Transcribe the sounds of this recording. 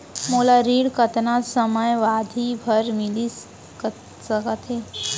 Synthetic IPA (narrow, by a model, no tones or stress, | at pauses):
molaɾiːɽkət̪nasəməjʋad̪ʱibʱəɾmili | k | səkət̪ʰe